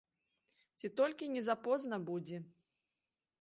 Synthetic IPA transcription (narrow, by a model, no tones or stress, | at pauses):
t͡sʲit̪ɔlʲkʲinʲɛzapɔznɐbud͡zʲɛ